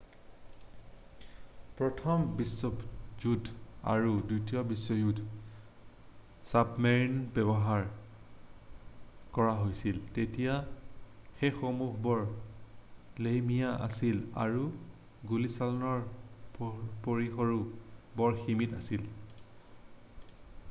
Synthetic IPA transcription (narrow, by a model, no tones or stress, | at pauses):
pɹɔtʰɔmbisɔzuda̰ɹudutijɔbisːɔjud | sapmɛɹnbɛbɔɦaɹ | kɔɹaɦojsiltetija | xexomuɦbɔɹ | lejmijaʔa̰sila̰ɹu | ɡulisalɔnɔɹ | poɹixɔɹubɔɹximitasil